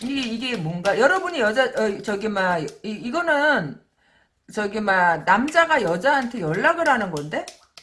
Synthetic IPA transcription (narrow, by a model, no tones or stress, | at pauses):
iɡeiɡe̞mwʌnɡajʌɾʌbuɲijʌd͡ʑaʌt͡ɕʌɡimajiiɡʌnɯn | t͡ɕʌɡimanamd͡ʑaɡajʌd͡ʑaɦantʰe̞jʌɭːaɡɯɾɦanɯnɡʌnde̞